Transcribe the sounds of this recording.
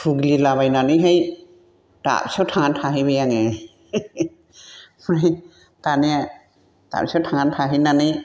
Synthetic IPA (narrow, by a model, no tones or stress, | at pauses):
pʰuɡlilabajnanijɦej | ta̰p̚satʰaŋantʰaɦibejaŋe | mɾaj | t̪anija | ta̰p̚sawtʰaŋantʰaɦinanij